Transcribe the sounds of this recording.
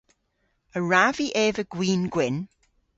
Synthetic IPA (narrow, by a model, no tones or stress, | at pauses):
əɹaviʔɛːvəɡ̥wiːnɡwɪn